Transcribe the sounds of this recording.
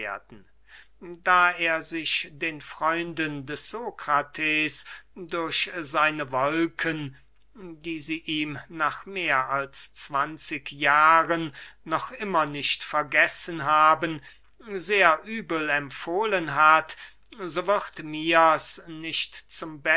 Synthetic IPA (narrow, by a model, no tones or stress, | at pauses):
ɐdn̩ | daːeːɐzɪʃd̥eːnfʁ̥ɔʏndəndɛsz̥oːkʁ̥atʰeːsdʊɐɕzaɪnəvɔlkʰən | diːziːʔiːmnaːχmeːɐʔalst͡sv̥ant͡sɪkjaːʁənːɔχʔɪmɐnɪʃtfɛɐɡɛsənɦaːbən | zeːɐʔyːbəl̩ɛmfoːlənɦat | zoːvɪʁtmiːasnɪʃtt͡sʊmbɛ